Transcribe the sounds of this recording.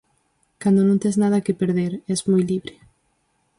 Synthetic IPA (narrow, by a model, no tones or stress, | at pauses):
kand̪onõŋt̪eznað̞ɐkepeɾðeɾɛzmɔjliβɾe